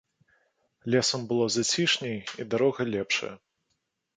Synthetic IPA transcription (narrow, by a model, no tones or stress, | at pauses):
lʲɛsɐmbɨlˠɔzat͡sʲiʂnʲɛjid̪aɾɔɣɐlʲɛpʂɐ̰jɐ